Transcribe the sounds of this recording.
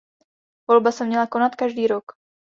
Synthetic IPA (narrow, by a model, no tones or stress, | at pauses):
vo̞lbasɛmɲɛlako̞nat̪kaʒdiːɾo̞k